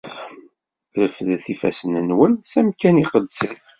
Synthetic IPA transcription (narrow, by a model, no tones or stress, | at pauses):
ləfðθifæ̰sənənwənsæmkæniqəd̪sən